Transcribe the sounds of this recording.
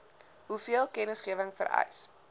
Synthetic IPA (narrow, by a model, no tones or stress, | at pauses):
ɦufiəlˠkɛnəsχiəvəŋfə̰ɾɛ̰js